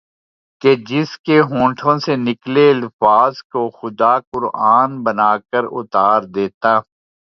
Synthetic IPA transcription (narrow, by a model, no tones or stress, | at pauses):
ked͡ʒɪskeɦõːʈʰõsenɪkleɐlfaːzkoxʊd̪akʊɾaːnbənaːkəɾʊ̰t̪aːɾd̪eːt̪aː